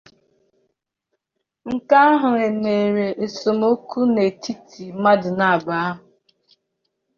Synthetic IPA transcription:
ŋ̩˦˨ka˦a˦ɦʊ˨ŋe˨ne˨ɾe˨ʔe˨so˨mo˦ku˦ne˨tʰi˦ti˨ma˦dɪ˨na˨a˨ba˨a˦ɦʊ˨

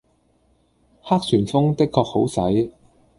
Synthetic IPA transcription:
haː˥k̚syː˨˩nfʊ˥ŋt̪ɪ˥kʰːɔː˧k̚ho˨˥wsɐ˨˥j

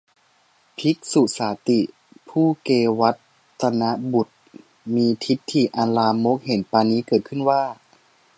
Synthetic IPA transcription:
pʰi˦˥k̚su˨˩saː˩˦t̪i˨˩ | pʰuː˥˩keː˧wa˦˥t̪ː | a˧na˦˥bu˨˩t̪̚ | miː˧t̪ʰi˦˥t̪ʰːi˨˩ʔa˧nlaː˧mo˦˥k̚he˨˩˦npaː˧niː˦˥kɤː˨˩t̪̚kʰɯ˥˩nwaː˥˩

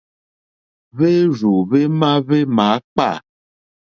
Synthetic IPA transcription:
βe˦zu˨βe˦mã˦βe˦mã˨˦k͡pa̰˦˨

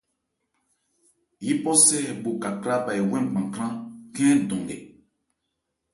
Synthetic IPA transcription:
ji˦pɔ˦sɛ˦hɛ˨bo˨ka˨kɾa˦ba˨i˨wɛ̃˦m˨ɡ͡bã˨kɾã˦kɛ̃˦˨dɔ̃˨ŋɡɛ̰˨

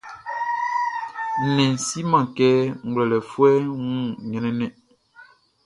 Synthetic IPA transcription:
nɛ˨si˦mã˨kɛː˦ŋ̩˨ɡwlɛ˨lɛ˨fwɛ˦ŋũ˦˨ɲɛ˨nɛ˦nɛ˨

